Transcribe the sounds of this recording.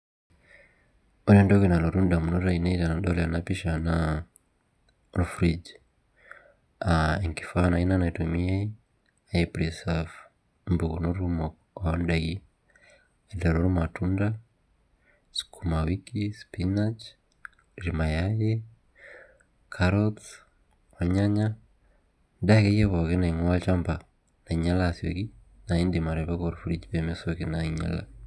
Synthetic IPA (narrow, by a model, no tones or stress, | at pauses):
ɔlɛndɔkɛnalɔɾunɗamunɔɾainailanaɗɔlanapiʃana | lufɾid͡ʒ | aɛŋki̥fanainanaitumiai | aiplisɛv | mbuunuɾumɔ | ɔnɗaɡi | alaɾɔɾumatunda | skʰumawikispinat͡ʃ | ɾimajaje | kʰaɾɔts | oɲaɲa | ndakejeβɔkenaiŋwat͡ʃamba | naiɲalaːsjo̰ki | naindimaɾeβakoɾufuɾit͡ʃiβemesokinaiɲa̰la̰